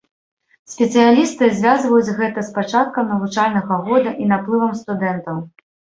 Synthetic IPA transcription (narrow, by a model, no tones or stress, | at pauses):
sʲpʲɛt̪sɨjalʲist̪ɨzʲvʲazvɐjud͡zʲɣɛt̪ɐspat͡ʂat̪̚kɐmnɐvut͡ʂalʲnɐɣɐɣɔd̪ɐʔinaplˠɨvɐmst̪ud̪ɛnt̪ɐw